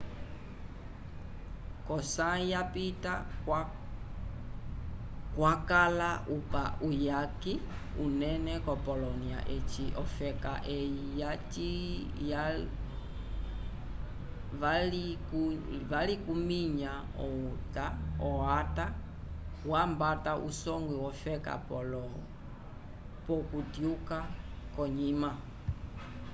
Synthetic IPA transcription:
kɔsajapita | kwakalaʔupaʔujaki | unɛnɛkɔpɔlɔnia̰ʔɛt͡ʃiʔɔfɛka̰ʔɛjijat͡ʃi | ja | valikuvalikumiɲa | ɔutaɔata | wambataʔṵsɔŋɡwiwɔfɛka̰pɔlɔɔ | pɔkutjukakɔɲima

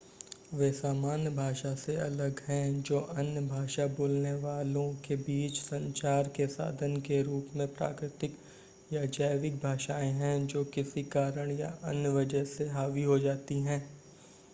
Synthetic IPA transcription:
ʋeːsaːmaːnjəbʱaːʃaseɐləɡɦɛ̃d͡ʒoːʔɐnjəbʱaːʃaboːlneʋaːlõkebiːt͡ʃsɐ̃ɲt͡ʃaːɾkesa̰ːd̪ʱənkeɾuːpmẽpɾa̰ːkɾɪt̪ɪk | jad͡ʒaːjʋɪk̚bʱaːʃaːẽɦɛ̃d͡ʒoːkɪsikaːɾəɽ̃ja̰ɐnjəʋɐd͡ʒəɦseɦaːʋiɦod͡ʒaːt̪iɦɛ̃ː

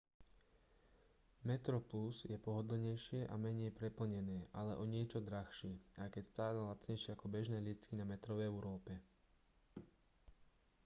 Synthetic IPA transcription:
mɛt̪ɾɔplusjɛpɔɦɔd̪l̩ɲɛjʃɪɛʔamɛɲɛjpɾɛpl̩ɲɛnɛːʔalɛʔɔɲɪɛt͡ʃɔd̪ɾaxʃɪɛajkɛcst̪aːlɛlat͡sɲɛjʃɪɛakɔbɛʒnɛːlit͡skinamɛt̪ɾɔʋɛɛʊɾɔːpɛ

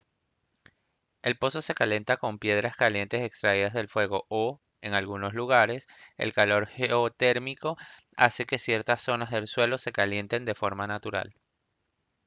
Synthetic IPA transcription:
e̞lpo̞so̞se̞kale̞nt̪ako̞mpje̞ð̞ɾaskalje̞nt̪e̞se̞kst̪ɾaið̞azðe̞lfwe̞ɣ̞o̞o | e̞ŋalɣuno̞sluɣaɾe̞se̞̰lkalo̞ɾxeot̪e̞ɾmiko̞ | a̰se̞ke̞sje̞ɾt̪asːo̞nazðe̞lswe̞lo̞se̞kalje̞nt̪e̞nd̪e̞fo̞ɾmanat̪uɾa̰l

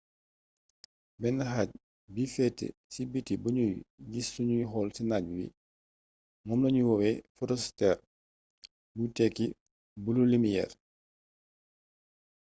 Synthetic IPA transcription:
bɛnɐɦac̚ | bifɛtːɛ̰sibitːibuɲujɡisːuɲujɦɔlsinaɟwḭ | ŋɔmnɐɲuwɔwɛfɔɾɔstɛɾ | butɛkːi | bululimijɛ̰r

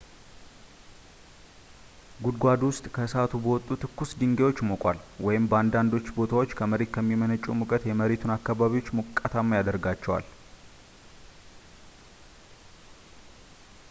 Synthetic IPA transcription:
ɡud̪̚ɡʷad̪wʊst̪ʼkʰəsat̪ʰubəwɔt̪ʼːut̪ʰɨkːʊsd̪ɨŋɡejwo̞t͡ʃːmokʼʷalwɔjɪmbəand̪and̪o̞t͡ʃːbo̞t̪ʰawot͡ʃːkʰəməɾet̪kʰəmːimənət͡ʃʼːumukʼət̪jɛməɾet̪ʰunakːaβaβiwo̞t͡ʃːmukʼːat̪ʰamːjad̪əɾɡat͡ʃːɛwa̰l

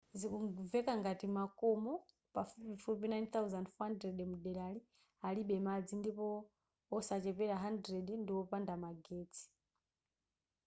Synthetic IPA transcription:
zikuvɛkaŋɡatimakɔmɔ | pafupifupinajnt̪auzandfɔhandɾɛɗmuɗɛlali | aliɓɛmad͡zindipɔ | ɔsat͡ʃɛpɛɾaɦandɾɛɗndiɔpandamaɡeːt͡sʰi̥

